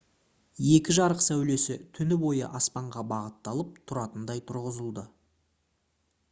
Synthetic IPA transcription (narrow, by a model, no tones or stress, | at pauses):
je̞kʲɪʒɑɾəqsæwle̞sɪt̪ʰʏnɪbo̞jə̰ʔɑspɑɴʁɑbɑʁət̪ːɑlˠəp̚t̪ʰʊɾɑt̪ənd̪ɑjt̪ʰʊɾʁəzəlˠd̪ə